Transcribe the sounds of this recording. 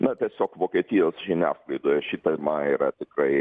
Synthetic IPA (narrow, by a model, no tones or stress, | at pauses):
nɐt̪ʲiɛsʲoːkʋoːkʲiɛt̪ʲijoːsʒʲɪnʲæːsklˠɐɪd̪oːjɛʃʲɪt̪ɐmɐiːɾɐt̪ʲɪkrɐɪ